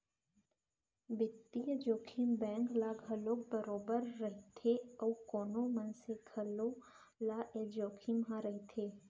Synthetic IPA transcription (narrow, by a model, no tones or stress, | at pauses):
bɪt̪ːijəd͡ʒoːkʰimbɛ̃ːŋklaːɡʱɐloːk̚bəɾoːbəɾːɐɦet̪ʰeɔːkoːnõmɐnseɡʰʱɐlo | laːʔed͡ʒoːkʰimɦãɾɐɦit̪ʰeː